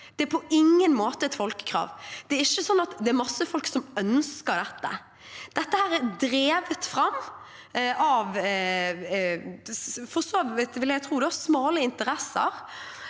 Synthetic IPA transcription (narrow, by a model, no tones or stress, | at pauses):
d̪̥ɛæɾpʰɔʔɪŋːənmoːt̪əɛt̪fɔlkə̥kʰɾɑ̰ːʋd̪̥ɛːɾɪçːəsɔnːɑt̪d̪ɛæɾmɑsːəfɔlksɔmœnskəɾd̪ɛt̪ːə̰ | d̪̥ɛt̪ːəhæːɾɛd̪ɾeːʋət̪fɾɑmː | ɑʋ | fɔʁsoːʋɪt̪ʋɪljæɡt̪ʰɾuːd̪ɛɑsmɑːləɪnt̪əɾɛsə̰ɾ